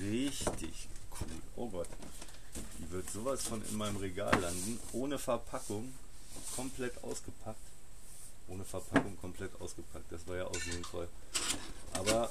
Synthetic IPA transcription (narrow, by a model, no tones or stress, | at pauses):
ʁɪçtʰɪ̰çkʰṵːlʔo̰ːɡɔt | d̥iːvɪɐtz̥oːvasfɔnɪ̰nmaɪnəmʁeɡa̰ːlːandn̩ʔoːnəfɛɐpʰakʊŋ | kʰɔmpʰl̥ɛtʔa̰ʊsɡ̥əpʰak̚t | ʔoːnəfɛɐpʰakʊŋkʰɔmpl̥ɛtʔa̰ʊsɡ̥əpʰak̚t̚d̥asv̥aːɐjaːʔaʊxzɪnfɔ̰l | ʔa̰ːbɐ